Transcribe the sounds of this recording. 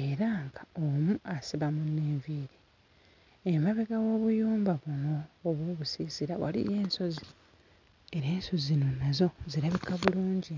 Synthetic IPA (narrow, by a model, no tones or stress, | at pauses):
e̞ɾaŋɡaomuasiβamuneːɱviːɾi | emaβeɡawo̞ːβujuːmbaβuno̞ːβwoːβusisiɾawa̰lḭje̞ːnso̞zi | e̞ɾe̞ːnso̞zino̞nazo̞ziɾaβikaβuluːɲɟi